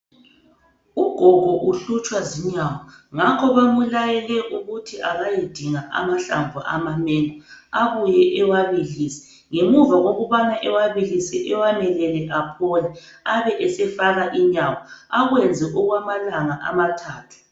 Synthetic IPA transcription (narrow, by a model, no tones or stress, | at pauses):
uɡ̥ʱɔɣʱɔʔuɬut͡ʃʼwaziɲawɔŋakʰɔβamulajɛlɛʔuɣutʰiʔaɣajed̥ʱiŋaʔa̰maɬa̰mbʱṵʔa̰mamɛŋɔaβujɛʔɛwaβiliːsɛ̥ | ŋemuvaɣoɣuβanaʔɛwaβilisɛʔɛwanɛlɛlɛʔapʰɔlɛ | aβɛʔɛsɛfaɣaʔiɲawɔaɣwɛnd͡zʱɛʔuɣwamalaŋaʔa̰matʰaːtʰu̥